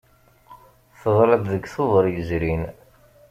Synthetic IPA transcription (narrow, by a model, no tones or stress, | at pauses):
θəðˤɾˤɑd̪ðəkːθoðˤəɾˤjəzɾin